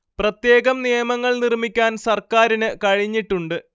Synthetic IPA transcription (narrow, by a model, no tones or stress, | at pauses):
prɐt̪je̞ːɣɐmnijɐmɐŋːɐɭnirmikʲːaːnsɐrkaːɾinɨkɐɻiɲːiʈːuɳɖɨ